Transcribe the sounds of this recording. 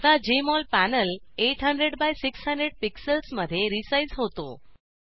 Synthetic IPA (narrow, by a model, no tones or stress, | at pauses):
t̪ad͡ʑemɔlpænəleʈɦəɳɖɾeɽbajsiksɦəɳɖɾeɽ̚piksəlsməd̪ʱːjeɾisaizɦot̪o̰